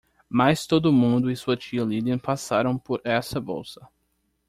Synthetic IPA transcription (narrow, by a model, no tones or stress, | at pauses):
majst̪od̪ʊmũnd̪ʊɪsuɐt͡ʃiɐlid̪ɐ̃pasaɾɐ̃w̃poɾɛsɐbo̰wsɐ